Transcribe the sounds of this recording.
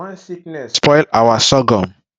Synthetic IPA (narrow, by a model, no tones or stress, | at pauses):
spɔjlawasɔɡɔ̃m